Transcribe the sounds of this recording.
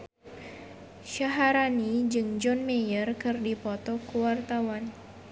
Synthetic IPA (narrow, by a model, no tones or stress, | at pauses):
ʃaɦaɾanid͡ʒɨŋd͡ʒɔnmejərkɨrdipɔt̪ɔkuwart̪awan